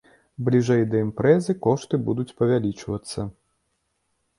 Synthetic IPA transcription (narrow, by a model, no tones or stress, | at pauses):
blʲiʐɛjd̪ɐimpɾɛzɨkɔʂt̪ɨbud̪ut͡sʲpɐvʲalʲit͡ʂvɐt̪sːɐ